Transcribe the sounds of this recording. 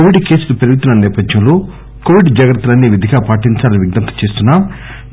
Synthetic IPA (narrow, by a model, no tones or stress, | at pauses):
oʋiɖke̞ːsulɐpeɾiɡit̪unːɐnɛːpɐd̪jɐmlo̞ː | koʋiɖd͡ʒaːɡɾɐt̪ːɐlɐnːiːʋid̪ʱiɡaːpaːʈiɲt͡ʃaːlɐniʋiɡnɐnt̪ɐ̥t͡ʃe̞ːst̪unːaːm